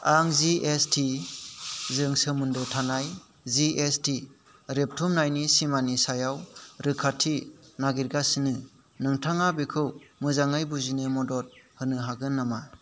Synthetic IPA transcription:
aŋziʔestʰi | zɯŋsɯmɯndɯtʰanaj | ziʔesti | ɾep̚tʰumnajnisimanisajawɾɯkʰatʰinaɡiɾɡasinɯ | nɯŋtʰaŋabekʰɯwmɯzaŋɯjbuzinɯmɔdɔt̚hɯnɯɦaɡɯnːama

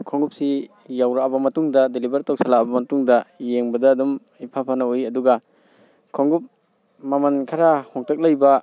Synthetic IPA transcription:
kʰɔŋɡup̚si | jawɾaabɐmɐtuŋdɐdelibɐɾtɔk̚salabɐmɐtuŋdɐjeŋbɐdaːdɔm | ipʰapʰanaujɐduɡa | kʰɔŋɡup̚ | mamankʰaɾahɔŋtʰak̚lajbɐ

